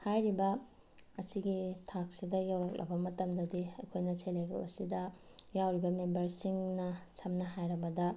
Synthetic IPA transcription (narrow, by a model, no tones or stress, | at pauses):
hajɾibɐ | ɐsiɡitʰak̚sidɐjawɾɐk̚lʔɐ̰bɐmɐtɐmdɐdiɐkʰojnɐseleɡɐ̰lɐ̰sidɐ | jawɾibɐmembɐɾsiŋnɐsɐmnɐɦajɾɐbɐdɐ